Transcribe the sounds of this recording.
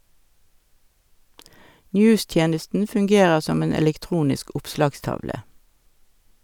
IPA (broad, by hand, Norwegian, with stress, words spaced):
ˈnjʉːˌstjeːnəstn̩ fʉŋˈɡeːʁəʁ ˈsɔm ˈeːn ɛlɛkˈtʁuːnɪsk ˈʊpslɑːɡˌstɑʋlə